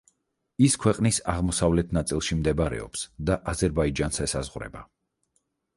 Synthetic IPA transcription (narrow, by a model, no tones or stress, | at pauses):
iskʰwɛqʼnisa̰ʁmɔsavlɛt̪ʰnat̪sʼilˠʃimd̪ɛbaɾɛ̰ɔ̰psd̪aʔazɛɾbaid͡ʒansɛsazʁɾɛ̰ba̰